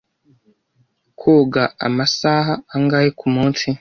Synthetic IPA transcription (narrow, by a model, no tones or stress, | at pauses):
kʰoːɡaa̰masaːɦaːŋɡaːjekʰumuːnsi